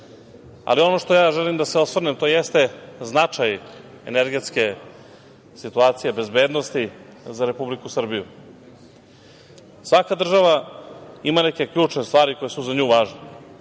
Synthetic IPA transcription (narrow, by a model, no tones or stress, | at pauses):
a̰lio̞no̞ʂt̪o̞jaːʒe̞limd̪aseosʋr̩nemt̪o̞ːjest̪e̞znat͡ʃaj | ene̞ɾɡe̞t̪ske̞ | sit̪uaːt̪sijebe̞zbeːd̪nost̪i | zaɾe̞publikusr̩bijṵ | sʋakad̪r̩ʒaʋa | imane̞ke̞kʎuːt͡ʂnest̪vʋaːɾiko̞jesuzaɲuːʋaːʒne